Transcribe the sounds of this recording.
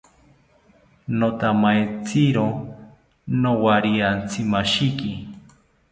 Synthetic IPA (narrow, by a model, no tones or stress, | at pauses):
not̪amajt͡siɾo | nowaɾiant͡sʰimaʃiki